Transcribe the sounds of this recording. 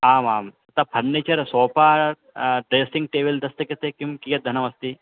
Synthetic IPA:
aːmaːmɐt̪ɐpʰɐɾneːt͡ʃɐɾsoːpaː | ɖɾeːsiŋɡ̚ʈeːbɐld̪ɐst̪ɐkɐt̪ekimkijɐt̪̚d̪ʱɐnɐʋɐst̪i

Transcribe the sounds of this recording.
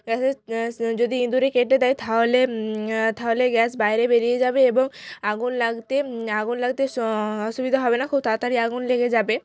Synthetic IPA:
ɡɛsed͡ʑod̪iind̪uɾekeʈːed̪ajt̪ʰaɦolet̪ʰaɦoleɡɛsbajɾebeɾijed͡ʑabeeboŋaɡunlaɡt̪eaɡunlaɡ̚t̪eɔʃubid̪ʱaɦɔbenakʰub̚t̪at̪aɾiaɡunleɡed͡ʑabe

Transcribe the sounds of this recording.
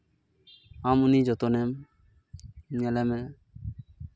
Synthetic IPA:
amunid͡ʒɔt̪ɔnɛm | nɛlɛmɛ

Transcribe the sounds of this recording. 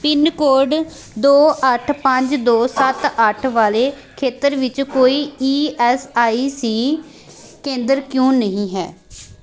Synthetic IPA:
pɪnkoːɾɖ | d̪oːʔəʈʰpəɲd͡ʒd̪oːsət̪əʈʰʋaːleː | kʰeːt̪əɾʋɪt͡ʃkoːiːiːɛːsaːiːsiː | kẽːnd̪əɾkjõːnəɦĩːɦɛː

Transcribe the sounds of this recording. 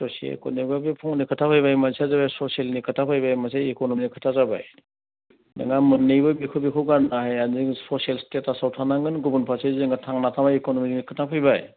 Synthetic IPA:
sɔsiḛlkɔ̰niɡabipʰɔŋnikʰɯtʰapʰɯjbajmansazabasɔsielnikʰɯtʰapʰɯjbajmaseekonɔminikʰɯ̥tʰazaba̰j | nɯ̰ŋamɯnːijbɯbikʰubekʰɯɡaɾnaɦajaziŋsɔsielstetasawtʰanaŋɯnɡubunpʰasezeŋɡatʰaŋnatʰamaikonɔmininikʰɯtʰapʰɯjbaj

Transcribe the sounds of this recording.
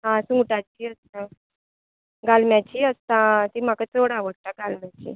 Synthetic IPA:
ɦãsũŋɡʈat͡ɕiːəst̪ã | ɡalmjat͡ɕiːəst̪ãt̪im̤akat͡soɽaʋəɽ̚t̪aɡalmjat͡ɕḭː

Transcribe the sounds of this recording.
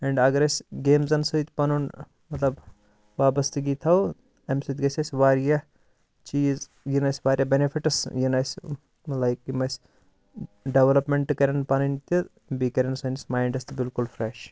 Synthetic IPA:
ɛɳɖɐɡɐɾɐsʲɡeːmzɐnsɨjt̪ʲpɐnun | mɐt̪lɐb | ʋaːbɐst̪ɨɡiːt̪ʰɐw | ɐmsɨt̪ʲɡɐsʰʲɐsʲʋaːɾjɐ | t͡ʃiːz | jinɐsʲʋaːɾjɐbenifʰiʈɐsjinɐsʲ | lajkimɐsʲ | ɖeʋɐlɐpmeɳʈɨkɐɾʲɐnpɐnɐnt̪i | bikɐɾʲɐnsɐnisʲmaːjɳɖɐst̪bilkulfɾeʃ

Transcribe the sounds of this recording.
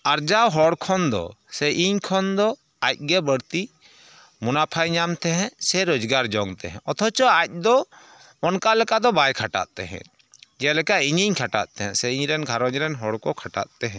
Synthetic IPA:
aɾd͡ʒawɦɔɽkʰɔnd̪ɔ̰sɛʔiɲkʰɔnd̪ɔ | ac̚ˀɡɛbəɽt̪i | munapʰajɲamt̪ɛɦɛ̃sɛɾod͡ʒɡaɾd͡ʒɔŋt̪ɛɦɛ̃ɔt̪ʰɔt͡ʃɔac̚ˀd̪ɔ | ɔnkalɛkad̪ɔbajkʰaʈa̰t̪̚t̪ɛɦɛ̰̃ | d͡ʒɛlɛkaiɲiɲkʰaʈaʔ̪̚t̪ɛɦɛ̃sɛiɲɾɛnɡʱaɾɔɲɾɛnɦɔɽkɔkʰaʈa̰t̪̚t̪ɛɦɛ̃

